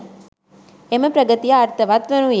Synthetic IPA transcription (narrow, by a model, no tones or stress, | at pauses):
eməpɾəɡət̪ijaːɾt̪ʰɐʋat̪ʋɐnũj